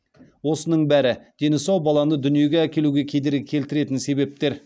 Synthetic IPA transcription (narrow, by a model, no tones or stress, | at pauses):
wo̞sənəɴbæɾɪd̪̥e̞nɪsɑwbɑlˠɑnəd̪ʏnije̞ɡʲeækʲe̞luɡʲe̞kʲʰe̞d̪e̞ɾkʲʰe̞lt̪ɪɾe̞t̪ɪnse̞be̞p̚t̪e̞ɾ